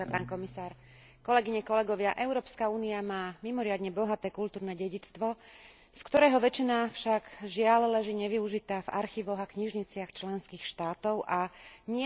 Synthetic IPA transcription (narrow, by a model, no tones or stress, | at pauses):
paːnkɔmisaːɾ | kɔlɛɡiɲɛkɔlɛɡɔʋɪaʔɛʊɾɔːpskauːniamaːmimɔɾɪad̪ɲɛbɔɦat̪ɛːkult̪uːɾnɛːɟɛɟit͡st̪ʋɔ | skt̪ɔɾɛːɦɔʋɛt͡ʃinaːfʃaɡʒɪallɛʒiːɲɛʋiuʒit̪aːva̰ɾxiʋɔɣakɲiʒɲit͡sɪaxt͡ʃlɛnskiːxʃt̪aːt̪ɔʊʔaɲɪɛ